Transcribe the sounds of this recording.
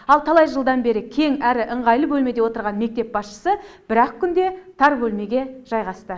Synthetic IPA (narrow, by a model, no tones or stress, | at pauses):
ɑlˠt̪ʰɑlˠɑjʒəlˠd̪ɑnbe̞ɾɪkʲʰe̞ŋæɾɪʔəɴʁɑjlˠəbɵlme̞d̪e̞wo̞t̪əɾʁɑnme̞k̚t̪e̞p̚bɑsʃə̥səb̥ɪɾɑqkʲʰːʏnd̪e̞t̪ʰɑɾbɵlme̞ɡʲe̞ʒ̥ɑjʁɑst̪ə